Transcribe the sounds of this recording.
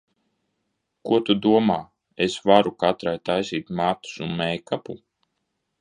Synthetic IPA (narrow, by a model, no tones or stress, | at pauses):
kuɔt̪ud̪uɔmaː | esvaɾukat̪ɾajt̪ajsiːt̪maːt̪u̥sunmɛjkapu